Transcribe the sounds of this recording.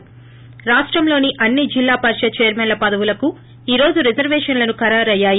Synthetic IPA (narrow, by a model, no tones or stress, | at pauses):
ɾaːʂʈɾɐmlo̞ːniʔɐnːid͡ʒilːaːpɐɾʃɐt͡ʃeːɾmɛnlɐpɐd̪ɐʋulɐku | iːɾo̞ːd͡ʒuɾid͡ʒɐɾʋɛːʂɐnlɐnukɐɾaːɾɐjːaːji